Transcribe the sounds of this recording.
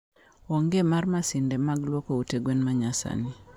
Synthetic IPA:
ɔŋɡemarmasɪndɛmaɡlwɔkouteɡwenmaɲasa̰ni

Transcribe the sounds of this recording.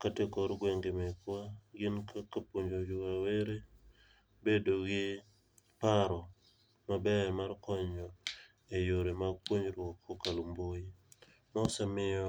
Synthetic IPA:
katekɔɾɡweŋɡemɛkwaɡɪnkakapwoɲd͡ʒod͡ʒukaweɾe | bedoɡɪ | paɾɔ | mabɛmarkɔɲɔ | ejoɾemaɡ̚pwoɲɾwɔkːokalumboi | mɔsamɪjɔ

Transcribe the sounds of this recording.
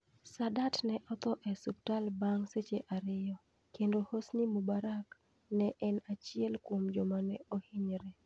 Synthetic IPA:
sadatnɛʔɔt̪ɔʔɛsuk̚talbaŋset͡ʃeʔaɾɪjɔ | kendohosnimubaɾak | nɛʔɛnat͡ʃɪɛlkwomd͡ʒɔmanɛohiɲɾɛ

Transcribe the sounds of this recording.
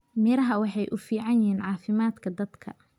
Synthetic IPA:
mɪɾɐɦɐwɑħɑjʔʊfiːʕɑnjɪɦiːnʕɑːfɪmaːd̪kʰɐd̪ɐd̪kʰɐ̰

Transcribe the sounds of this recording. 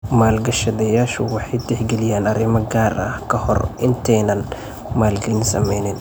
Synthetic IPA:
maːlɡɐʃɐðɐjaːʃʊwɑħɑjd̪ɛħɡɛlɪjaːnɐɾɪmɐɡaːrɐ̰hkʰɐhɔ̰rʔɪnt̪ʰɛjnɐn | maːlɡɐnsɐ̰mɛjnɪn

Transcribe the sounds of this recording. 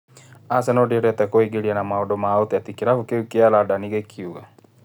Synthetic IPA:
asɛnɔdiɛɾɛt̪ɛkɔiɡeɾianamaɔdɔmaɔt̪iat̪ikiɾafukeukialadaniɣɛkʰiuɣa

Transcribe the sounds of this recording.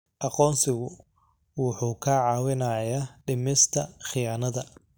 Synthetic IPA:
ʔɑqɔːnsɪɣʊ | wʊħuːkʰɐʕɑːwɪnɐjaːɖɪmɪst̪ʰɐχɪjaːnɐðɐ

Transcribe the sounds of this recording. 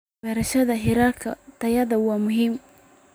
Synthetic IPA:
bɛɾɐʃɐðɐɦɪɾalkʰɐt̪ʰɐjɐðɐwɑːmʊɦiːm

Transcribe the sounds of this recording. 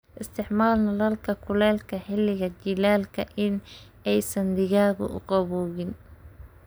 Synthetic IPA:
ʔɪst̪ʰɪħmaːlnɐlɐlkʰɐkʰʊlɛːlkʰɐħɪlːɪɣɐt͡ʃɪlaːlkʰɐʔɪn | ɛjsɐnd̪ɪɣaːɣʊ̰ʔʊ̰qɑβɔːɣɪn

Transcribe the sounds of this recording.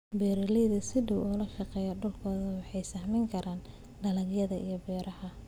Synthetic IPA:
bɛːɾɐlɛjðɐsɪdʊwɔlɐʃɑqɛːjɐɖʊlkʰɔːðɐwɑħɑjsahmɛŋkʰɐɾʔaːn | ɖɐlɐɡjɐðɐʔijɞbɛːɾɐhɐ

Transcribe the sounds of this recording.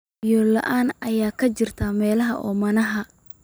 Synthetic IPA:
jɔlɐ̰ʔaːnʔɐjaːkʰɐt͡ʃɪrt̪ʰɐmɛːlɐɦɐʔɔ̰ːmɐnɐɦɐ

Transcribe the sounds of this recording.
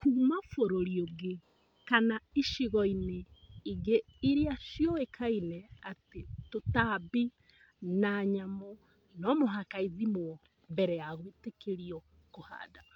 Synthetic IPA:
kuːmafoɾoɾiɔɡe | kanaiʃiɣɔineiɡeiɾeaʃjɔekʰainɛatetotabi | naɲamɔ | nɔmoɦakaiðimoɔ | mbɛɾɛjaɣwetekeɾiɔ | koha̰ːda

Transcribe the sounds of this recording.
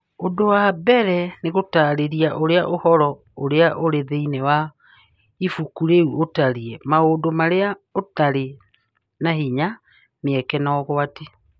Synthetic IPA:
ondowabɛɾɛneɣotaɾeɾiaʔoɾeaʔohɔɾɔ | oɾeaʔoɾeðeinewa | ifukuɾeuotaɾiɛmaodomaɾeaotaɾe | naɦiɲa | neɛkɛnaɔɣoate

